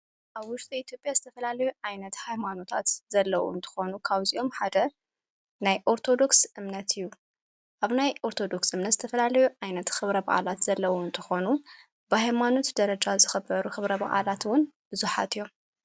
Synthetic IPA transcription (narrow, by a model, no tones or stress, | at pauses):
ʔaβwʊʃt̪ʼiit̪ʰjo̞pʼjazɨt̪ʰɐfɐlalɐjuʕajnɐt̪hajmano̞t̪ʰat̪z̥ɐlːɐwo̰ɨnt̪ʰɨ̥xo̞nukʰaβziʔo̞mħad̪ɐ | najʔo̞ɾt̪ʰo̞d̪o̞ksɨmnɐt̪ʰɨjːu | ʔaβnajʔo̞ɾt̪ʰo̞d̪o̞ksɨmnɐt̪z̥ɨt̪ʰɐfɐlalɐjuʕajnɐt̪xɨβɾɐbɐʔʼa̰lat̪z̥ɐlːɐwoɨnt̪ʰɨ̥xo̞nu | bɨhajmano̞t̪d̪ɐɾɐd͡ʒazɨxɐbɐɾuxɨβɾɐbɐ̰ʔʼa̰lat̪wʊnbɨzuħa̰t̪ɨjːo̞m